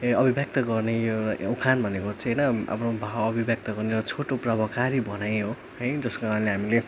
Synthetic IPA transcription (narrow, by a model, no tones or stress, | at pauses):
ʌbʱibjʌk̚t̪ʌɡʌrneukʰanbʱʌnekot͡sʰʌ̃ɦʌjnʌa̰pʰnobʱawʌbʱibjʌk̚t̪ʌɡʌrneɾʌt͡sʰoʈoprʌbʌkaɾibʱʌnajɦo | ɦʌjd͡zʌskoɾãleɦamile